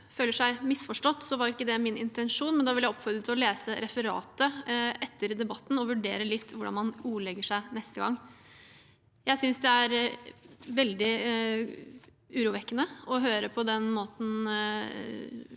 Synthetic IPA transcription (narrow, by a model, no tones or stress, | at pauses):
føːləʂæɪmɪsfɔʂʈɔt̪ːsɔʋɑɾɪkːəd̪ɛmɪnɪ̰nt̪ɛnʂuːnmɛnd̪ɑʋɪljæɪɔpfɔɾd̪ɾət̪ʰːɪlɔleːsəɾɛfəɾɑ̰ːt̪əʔɛt̪ːəɾd̪ɛbɑt̪ːn̩ɔʋʉɖeːɾəlɪt̪ːʋʊɖɑnmɑnuːlɛɡːəʂæɪnɛst̪əɡɑ̰ŋː | jæɪsʏnsd̪ɛæɾ | ʋɛld̪ɪ | ʉɾuːʋɛkːənəɔɦøːɾəpʰɔd̪ɛnmoːt̪n̩